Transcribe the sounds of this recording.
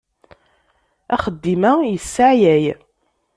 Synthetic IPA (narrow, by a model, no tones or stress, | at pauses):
æχəd̪ːimæjəsːaʕjæj